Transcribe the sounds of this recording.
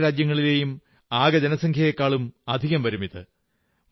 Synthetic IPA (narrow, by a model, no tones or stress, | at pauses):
ɾaːd͡ʑjɐŋːɐɭile̞ːjum | aːɡɐd͡ʑɐnɐsɐŋkʰjɐjekːaːɭumɐd̪ʱiɣɐmʋɐɾumiðɨ